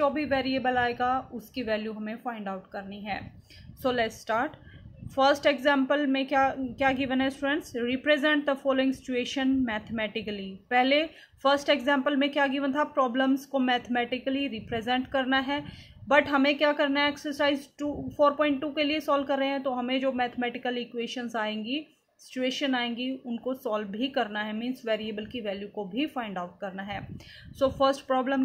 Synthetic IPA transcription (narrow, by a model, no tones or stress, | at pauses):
d͡ʒɔːbʱiʋɛːɾieːbəlaːeːɡaʊskiʋɛːljuɦɐmẽfaːɪ̃ɳɖaːʊʈkɐɾniɦɛ̰ː | soːlɛʈsʈaːɾʈ | fəɾsʈekzɛ̃ːmpəlmẽkjakjaːɡiːʋənɦɛsʈuɾə̃nʈsɾiːpɾezɛ̃ɳʈ̚d̪əfɔːloːɪ̃ŋɡsɪt͡ʃueːʃənmɛːt̪ʰmɛːʈɪkəlipɛɦle | fəɾsʈekzɛ̃ːmpəlmẽkjaːɡiːʋə̃nt̪ʰapɾɔːblə̃mzkomɛːt̪ʰəmɛːʈɪkəliɾiːpɾezɛ̃ɳʈkɐɾnaɦɛːbɐʈɦɐmẽkjakɐɾnaɛɛːksəɾsaːɪzʈuːfʰoːɾpɔ̃ːɪ̃ɳʈːuːkeliesɔːlbkɐɾːəɦẽɦɛ̃t̪oɦɐmẽd͡ʒoːmɛːt̪ʰəmɛːʈɪkəlikweːʃənzaːẽːŋɡi | sɪ̥t͡ʃueːʃənaːẽːŋɡiʊnkosɔːlʱikɐɾnaɦɛmĩːnsʈʋeːɾiebəlkiʋɛːljukobʱifãːɪ̃ɳɖaʊʈ̚kɐɾnaɦɛːsoːfʰəɾsʈpɾɔːblə̃m